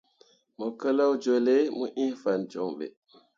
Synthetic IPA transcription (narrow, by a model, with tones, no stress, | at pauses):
mo˨kə˦la˦wd͡ʒo˨le˦mə˦ʔĩ˦fa˨nd͡ʒo˨ŋɓḛ˨